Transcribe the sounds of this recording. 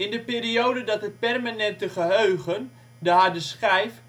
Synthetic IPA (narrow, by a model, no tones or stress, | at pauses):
ɪndəpeːriowdədɔtɦət̚pɛrmanɛntəχəɦøːɣən | dəɦadəsχɛjf